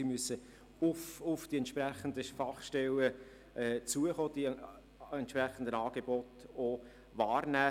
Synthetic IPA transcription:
imyəsə | ʊfʊfd̥iɛntʃprɛχənd̪əfɑχʃtɛlə | ʔɛːt͡suəχoːd̥i | ɛnt̪ʃpɾɛχən̩d̪ənɑːɡ̥ebɔto | vɑːrnæː

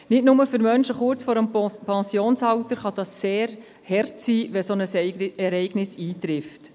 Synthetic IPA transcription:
nɪtnʊməfʏɾmœnʃəχʊɾt͡sfɔːɾəmpɑsjoːnsɑwt̪əɾχɑd̥̪ɑsːeːɾ | hɛrtsiːʋɛsonəsɛɾɛɪɡnɪsiːt̪ɾɪft

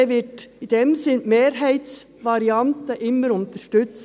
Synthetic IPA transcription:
ʋɪtid̥̪ɛmsɪnmeːɾɦæɪt̪s | vɑɾiɑnt̪əʔɪmːəɾʊnt̪əʃtʏt͡s

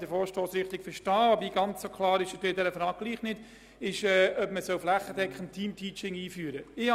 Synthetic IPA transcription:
d̥əɾfɔːɾʃtoːsɾɪχt̪ɪkfəɾʃtɑːɑbɾiɡɑnt͡ssokʰlɑːɾɪʃət̪ɪd̥̪ɛɾəfɾɑːɡ̚ɡ̥liːχnɪd̥ | ɪʃɛːœbməsœlflæχədɛkχəntʰiːmtʰiːt͡ʃɪŋiːfyːəɾəɪh

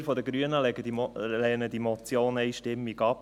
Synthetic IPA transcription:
ɾfɔd̪əɡɾyənəlɛɡəd̪ilɛnəd̥̪imɔt͡sjoːnɛjʃtɪmːiɡɑp̚

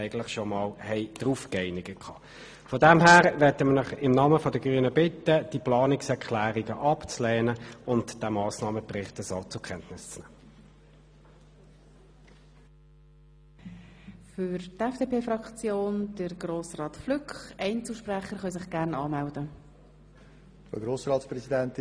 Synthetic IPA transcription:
ɛɪɡən̩tlɪχʃɔmɑːlhɛɪd̥ʁuːfkɛɪnɪɡəkʰɑː | fɔdɛmɦæːʁʋɛtəmənɪχɪmnɑːməfɔdəɡ̥ʁyənəbɪtːəd̥iplɑːnɪksɛʁkʰlæːʁiɡəʔɑpt͡slɛːnəʊntd̥ɛmɑːsnɑːməpʁɪχtəsot͡sʊkʰɛntnɪst͡snɛːmə | fʏɾtɛfd̥eːpeːfrɑkt͡sjoːnd̥əɾɡ̥roːsrɑːtflʏkχɛɪnt͡sl̩ʃpræχəɾχœls̬ɪχɡ̥æʁnɑːmældə | fəɡɾoːsɾɑːtspɾɛsidɛnt

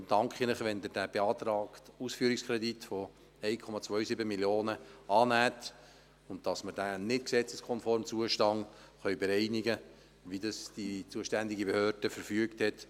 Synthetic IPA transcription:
dɑŋkχinləχʋɛnd̪əd̥æb̥eɑːt̪ɾɑːktusfyːəɾikskʰɾɛditfɔ | ɛɪkʰɔmɑt͡sʋœɥsibəmiljoːnəɑːnæːt | ʊnttɑsmədæːnɪtksɛt͡səskʰɔnfɔɾmt͡suəʃtɑn | χœɥbɛɾɛɪniɡə | ʋidɑsd̥it͡suəʃtænd̪iɡibehøːrd̥əfəɾfyəkthɛt

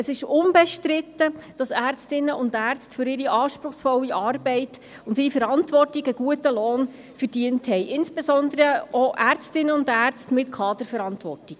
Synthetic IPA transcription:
əsɪʃʊnbɛʃtɾɪtːəd̥ɑsæːrt͡stɪnːəʊndæːrt͡stfʏɾɪɾiʔɑːʃpɾʊχsfɔlːiʔɑːrbɛɪt | ʊndɪɾifəɾɑntʋɔrtiɡəɡ̥uətəloːn | fərd̥iənthɛɪʔɪnsb̥esɔndəɾəoʔært͡stɪnəʊndæːrt͡stmɪtkʰɑːd̪əɾfəɾɑntʋɔrtiɡ̥

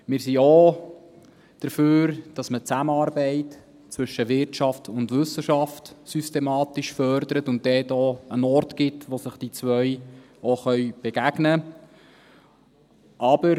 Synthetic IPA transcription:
mɪːɾsio | d̪̥əɾføːɾd̥ɑsmət͡sæməɑːɾbɛɪt | t͡sʋʏʃəʋɪɾt͡ʃɑftʰʊndʋʏsəʃɑftsystɛmɑːtiʃfœɾd̪əɾətʊnt̚dɛːtoənɔɾtɡɪtʋosəχd̥it͡sʋœʏ | oχœʏb̥ɛɡ̥æɡnə | ʔɑb̥əɾ

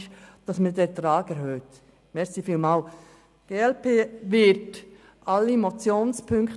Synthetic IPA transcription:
ʃd̥ɑsmədɛtɾɑːɡɛɾhøːt | mɛɾsifiːlmɑːl | ɡ̥eːɛlpʰeːʋɪɾt | ʔɑlːimot͡sjoːnspʰʏŋkχt

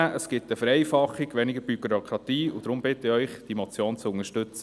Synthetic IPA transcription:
ʔəsɡ̥ɪtəfəɾɛjfɑχːɪɡ̥ʋɛnɪɡəɾb̥yɡɾɔkʰɾɑt̪iːud̥̪ɾʊmbɪtəɪœʏχd̥imɔt͡sjoːnt͡sʊŋəʃtʏt͡sə

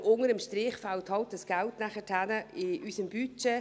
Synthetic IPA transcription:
ʊŋəɾəmʃtɾɪːχfalthɑlt̚dəsɡ̥æltnæχətʰhænəɪysəmb̥yt͡ʃe

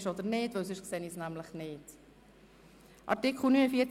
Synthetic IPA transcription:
ʃɔd̪əɾnɪːtvɛws̬ʏʃksɛnisnæmləχnɪːt | ʔɑ̰ɾtɪkχl̩ˠnynəfiːt͡s

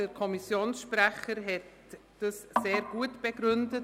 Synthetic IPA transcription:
əɾkʰɔmisjoːnsʃprɛχəɾɦɛt | d̥əsːeːɾɡ̥uətb̥ɛɡɾʏndə

